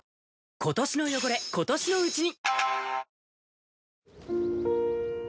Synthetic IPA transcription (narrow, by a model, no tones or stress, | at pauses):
ko̞t̪o̞ɕino̞jo̞ɡo̞ɾe̞ko̞t̪o̞ɕino̞ɯ̟t͡ɕiɲ̟i